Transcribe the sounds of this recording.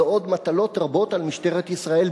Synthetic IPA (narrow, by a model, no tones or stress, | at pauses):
o̞d̪mat̪alo̞t̪ʁabo̞t̪almiʃteʁet̪isʁae̞l